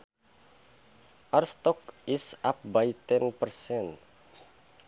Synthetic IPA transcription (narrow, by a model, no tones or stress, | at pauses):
ʔarst̪ɔkisap̚bait̪ɛnpərsɛn